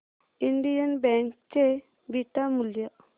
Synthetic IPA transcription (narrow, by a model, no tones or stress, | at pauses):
iɳɖijənbɛŋk̚t͡ʃe | biʈamuljəʔ